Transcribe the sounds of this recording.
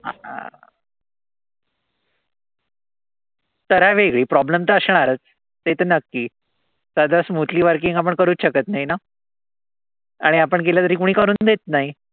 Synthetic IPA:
t̪əɾaʋeɡɭiːpɾɔbləmt̪əəɕɳ̃aɾət͡s | t̪et̪ənəkːiː | sad̪ʱasmut̪liːʋəɾkiŋɡap̬əɳkəɾuːtɕəkət̪naɦina | aɽ̃iapəɳkeljat̪əɾiːkuɽ̃iːkəɾuːnd̪et̪̚naɦi

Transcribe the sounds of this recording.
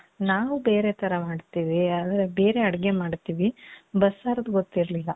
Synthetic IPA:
naːʋube̞ːɾe̞t̪ʰɐɾɐmaːɖt̪iːʋiaːd̪ɾebe̞ːɾe̞ɐɽɡemaːɖt̪iːʋibɐsːaːɾɐd̪ɡot̪ːiɾlilːɐ

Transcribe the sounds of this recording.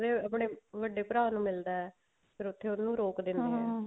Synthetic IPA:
d̪eːəpɳeːʋəɖeːpʊɾaːnũːmɪld̪aːɛː | pʰɪɾʊt̪ʰːeːʊnːũːɾoːkd̪ɪ̃nd̪iːɦɛː

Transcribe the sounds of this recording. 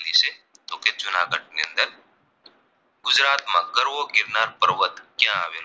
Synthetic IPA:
niːse | t̪oːket͡ʃʊnaːkəʈ̚neɐə̃nd̪ɐɾ | ɡʊzɾaːt̪mãːɡəɾwoɡɪɾnaːɾpəɾwət̪kjãaːʋel

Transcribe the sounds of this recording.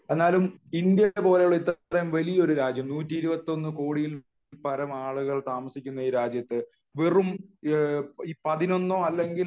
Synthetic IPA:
e̞nːaːlumind̪jɐpo̞ːle̞juɭɐit̪ːɾɐjumʋɐlijɐo̞ɾuɾaːd͡ʑjɐmnuːtːiiɾubɐt̪ːo̞nːɨko̞ːɽijil | pɐɾɐmaːɭuɣɐɭt̪aːmɐsikʲːunːɐiːɾaːd͡ʑjɐt̪ːɨ | ʋirum | iːpɐðino̞nːoːɐlːe̞ŋɡil

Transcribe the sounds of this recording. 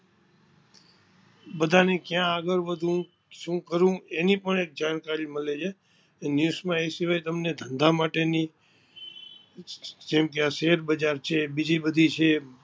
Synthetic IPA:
bəd̪ʱanekjãəɡəɾʋəd̪ʱũ | ʃũkəɾũenipəɳek̚d͡ʒaɽ̃kaɾiməled͡ʒʰe | njusmãesiʋ̤ajt̪əmned̪ʱənd̪ʱamaʈeni | d͡ʒemkeaʃeɾbəd͡ʒaɾt͡ʃʰebid͡ʒibəd̪ʱit͡ʃʰe

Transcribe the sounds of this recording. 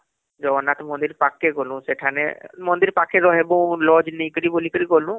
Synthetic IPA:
d͡ʒɔnat̪mɔ̃nd̪iɾpakːeɡɔlũseʈʰanḛmɔ̃nd̪iɾpakʰːeɾɔɦebɔ̃lɔd͡ʒnẽĩkəɾibolikəɾiɡolũ

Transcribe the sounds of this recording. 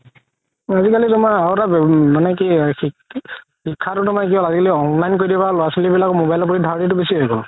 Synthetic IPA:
azikalitʊmaaotabmanɛkixi | xikʰːatʊtʊmak̬iɔ̃azikaliɔnlajnkoɹidibalʊasɔlibilakɔmobajlɔpɔidʱaɹditʊbesiekɔ̰

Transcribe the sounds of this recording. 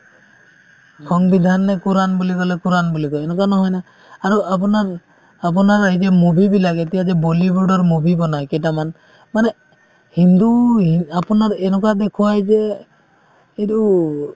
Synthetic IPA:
kʰɔŋbid̪ʱanːɛkuɾanbulikɔlɛkuɾanbulikɔɛnɔkanɔɦɔjnaː | ɾuap̬unaɾ | ap̬ɔnaɹaɦid͡ʒɛmubʱibilaket̪ijad͡ʒɛbolibɔɹɖɔɾmubʱibɔnajkɛtaman | manɛ | hind̪uɦiapunaɾɛnɔk̬ad̪ekʰuajd͡ʒe | edu

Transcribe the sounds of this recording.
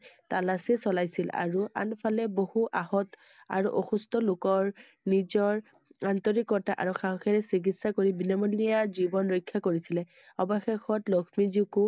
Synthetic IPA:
talasɛsɔlajsila̰ɹua̰npʰalɛbohuʔahɔt | a̰ɹuʔoxustɔlʊkɔɹ | nizɔɹ | antɔɹikɔtaʔa̰ɹuxaɦɔxɛɹɛsik̬itsakoɹibinɔmɔnijazibɔnɹɔjkʰːakoɹisilɛ | ɔbɔxexɔtlɔkʰmiziku

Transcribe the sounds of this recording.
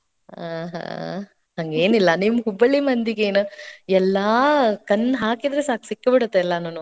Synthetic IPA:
aɦa̰ | hɐŋɡeːnilːɐnimɦubɐɭimɐnd̪iɡeːnuɛlːakɐnːɦaːkid̪ɾesaːksikːebiɽut̪ːeɛlːɐnɐːnu

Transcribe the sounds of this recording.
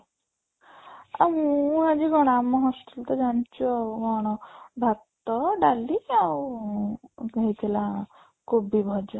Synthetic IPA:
amũũad͡ʒiɡɔɽ̃amɔɦɔst̪ult̪ɔd͡ʒañt͡ʃʰuaɡɔɽ̃ɔbʱat̪ːɔɖaliaw | kaɦit̪ʰila | kʰubibʱɔd͡ʒɔ

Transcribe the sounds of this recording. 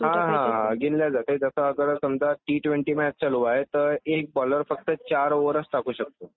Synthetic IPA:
ɦãɦãɡinljad͡zat̪ed͡zəsəːɡəɾəsəmd͡zaʈiːʈʋeɳʈiːmeət͡ɕaluʋaɦet̪əɾek̚bɔləɾfək̚t̪ət͡ɕaɾʋəɾəsʈakuːɕək̚t̪o

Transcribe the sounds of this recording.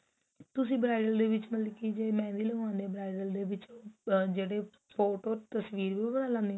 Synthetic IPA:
t̪ʊsĩːbɾaːɪɖəld̪eːʋɪt͡ʃməlkid͡ʒeːmɛ̃ːd̪iːləãːnd̪ebɾaːɪɖəld̪eːʋɪt͡ʃːd͡ʒeːɽeː | pʰoːʈoːt̪əsʋiːɾʋiːbənaːlãːnd̪iː

